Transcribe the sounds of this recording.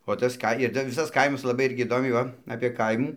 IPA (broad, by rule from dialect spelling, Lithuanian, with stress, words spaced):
oː ˈtɐs ˈkɐ ɪr tɐɪ ˈʋʲɪsɐs ˈkɐɪmɐs lˠɐˈbɐɪ ˈɪrʲɡʲɪ iːˈdoːmʲɛɪ ˈʋɐ ɐpʲeː ˈkɐɪmuː